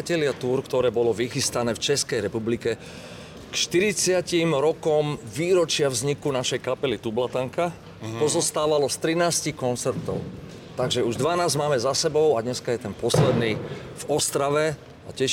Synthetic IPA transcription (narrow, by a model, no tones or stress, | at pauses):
cɛlɪat̪uːɾkt̪ɔɾɛːbɔlɔʋixist̪anɛːft͡ʃɛskɛjɾɛpublikɛ | kʃt̪iɾit͡sɪacimɾɔkɔmʋiːɾɔt͡ʃɪavzɲikunaʃɛjkapɛlit̪ublat̪aŋka | pɔzɔst̪aːʋalɔst̪ɾinaːscikɔnt͡sɛɾt̪ɔ̰ʊ | t̪aɡʒɛuʒd̪ʋanaːzmaːmɛzasɛbɔʊad̪ɲɛskajɛt̪ɛnpɔslɛd̪niːvɔst̪ɾaʋɛ | acɛʃ